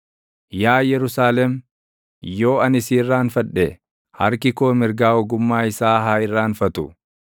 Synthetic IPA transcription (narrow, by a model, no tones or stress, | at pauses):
jaːjɛɾʊsaːlɛm | jo̞ːɐnɪsiːrːaːnfɐᶑːɛ | hɐ̰ɾkɪkoːmɪɾɡaːɔɡʊmːaːɪsaːɦaːɪrːaːnfɐt̪ʊ